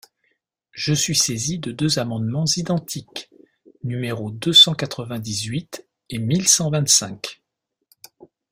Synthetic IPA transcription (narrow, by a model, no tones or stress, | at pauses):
ʒ̥əsɥisezid̪əd̪øzamɑ̃d̪mɑ̃zid̪ɑ̃t̪ʰik | nymeʁod̪øsɑ̃kat̪χəvɛ̃d̪izɥit̪ | emilsɑ̃vɛ̃t̪sɛ̃k